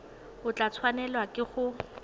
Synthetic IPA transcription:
ʊt͡ɬʼat͡sʰwanɛlwakʼɪχʊ

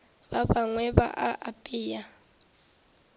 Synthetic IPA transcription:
baβaŋwɛβa̰ʔaʔapʼiːja

